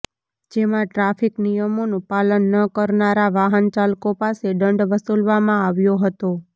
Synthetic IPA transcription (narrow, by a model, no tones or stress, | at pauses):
d͡ʒemãʈɾafiknijəmonũpalənːəkəɾnaɾaʋaɦənt͡ʃalkopaseɖəɳɖʋəsulʋamãaʋjoɦət̪o